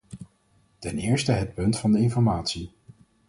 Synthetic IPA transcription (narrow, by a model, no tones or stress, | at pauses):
tɛnɪːɹstəɦət̚pɵntfɑndəɪnfɔɹmaːtsi